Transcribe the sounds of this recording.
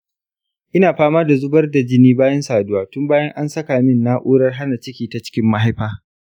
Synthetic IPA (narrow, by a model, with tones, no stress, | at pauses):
ʔɪ˦naː˨ɸaː˦maː˦da˨zʊ˦bɐ˦rda˨d͡ʒɪ˦niː˦baː˦jɐ˦nsaː˨dʊ˦waː˦tʊ˦mbaː˦jɐ˦ŋʔa˦nsɐ˦kaː˨mɪ˦nːaː˦ʔuː˦ɽɐ˦rɦa˦na˨t͡ʃɪ˦kʲiː˨ta˨t͡ʃɪ̥˦kʲɪ˦mːa˦ɦa˦jɸaː˦